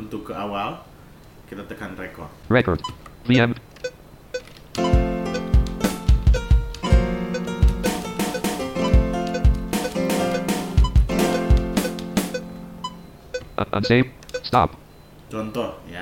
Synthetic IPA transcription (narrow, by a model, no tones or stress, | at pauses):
unt̪ʊkəawal | kit̪at̪əkanrekɔɹɛkɔ̰ɹdviɛm | ʔə̰ʔə̰̃nsestɑ̰p | t͡ʃɔnt̪ɔja